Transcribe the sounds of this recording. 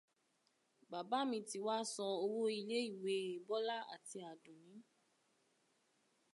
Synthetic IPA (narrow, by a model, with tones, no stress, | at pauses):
ba˨ba˨˦mĩ˧ti˧wa˦sɔ̃˧o˧wo˦i˧le˦i˦˨we˨˧˦e˨bɔ˦la˦a̰˨ti˧a˨dũ˨nĩ˨˦